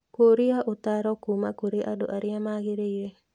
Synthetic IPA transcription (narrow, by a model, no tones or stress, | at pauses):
koɾiaʔut̪aɾɔkumakoɾiʔadoʔaɾiamaɡeɾeje